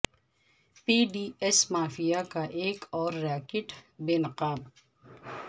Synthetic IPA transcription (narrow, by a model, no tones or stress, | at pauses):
piːɖiːɛsmaːfijakaʔeːkɔːɾːaːkɪʈbeːnɐqaːb